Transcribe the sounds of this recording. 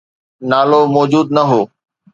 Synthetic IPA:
naːloːmɔːd͡ʒuːd̪̚nəɦoː

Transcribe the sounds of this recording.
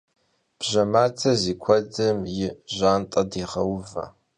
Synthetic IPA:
b̥ʒɐmaːtʰɐziːkʷʰɔdɐmjɪʑaːntʼɐdiːʁɐwvɐ̰

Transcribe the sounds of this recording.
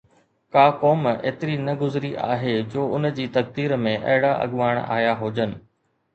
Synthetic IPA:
kaːkɔːmḛːt̪ɪɾinɐɡʊzɾiʔa̰ːɦed͡ʑoːʊnd͡ʑiːt̪ɐɡ̚d̪iːɾmẽʔɐ̰ɦɪɽaʔɐ̰ɠʋaːɽ̃a̰ːjaɦoːd͡ʑənɪ̆

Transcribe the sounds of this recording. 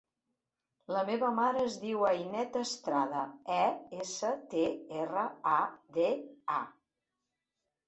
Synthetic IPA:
ləmeβəmaɾəːzðiwəjnɛt̪əst̪ɾaðəɛesət̪eerəad̪ea

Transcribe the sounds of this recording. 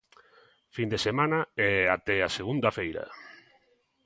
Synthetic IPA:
find̪esemãnɐɛat̪ɛaseɣund̪ɐfejɾɐ̰

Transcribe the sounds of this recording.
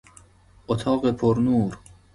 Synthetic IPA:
ʔot̪ʰɑːɢepʰoɾnuːɾ

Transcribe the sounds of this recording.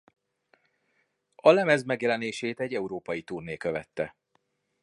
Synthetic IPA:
ɒlɛmɛzmɛɡjɛlɛneːʃeːt̪ɛɟːɛuɾoːpɒjit̪uːrneːkø̞vɛt̪ːɛ

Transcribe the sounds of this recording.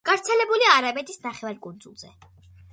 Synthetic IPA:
ɡ̥avɾt̪sʰɛlɛbuliaɾabɛt̪ʼʰisnaχɛvaɾkʼund̪zṵlˠz̥ɛ

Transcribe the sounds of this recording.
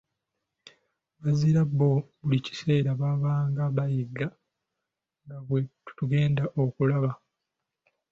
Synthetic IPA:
βaziɾabːo̞βulici̥se̞ːɾaβaβaːŋɡaβajiɡːa | ŋɡaβwetu̥tuɡe̞ːndaʔo̞kulaβa

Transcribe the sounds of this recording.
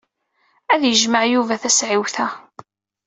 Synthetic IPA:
æðjəʒmaʕjuvæθæsʕiwθæ

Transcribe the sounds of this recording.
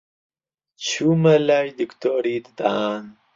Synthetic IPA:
t͡ɕʰumɐlajd̪ikt̪oːɾid̪d̪an

